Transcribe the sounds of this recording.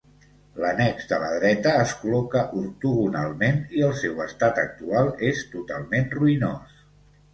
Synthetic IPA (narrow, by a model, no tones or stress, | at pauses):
lənɛɡzd̪ələ̰ðɾɛt̪əːskulɔkəʔuɾt̪uɣunalˠmeniəlˠsɛwəst̪at̪ək̚t̪ualˠest̪ut̪a̰lˠmenruinos